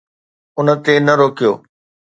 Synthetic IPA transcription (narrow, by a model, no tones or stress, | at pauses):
ʊnə̆t̪enɐɾoːkijoː